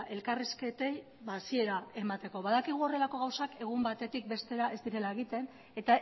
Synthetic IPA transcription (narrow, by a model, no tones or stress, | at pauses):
ʔe̞lkariske̞t̪e̞j | βasie̞ɾae̞mat̪e̞ko̞βaðakiɣ̞uo̞re̞lako̞ɣ̞awsake̞ɣ̞umbat̪e̞t̪ik̚be̞st̪e̞ɾaʔe̞zd̪iɾe̞lae̞ɣit̪e̞n | e̞t̪a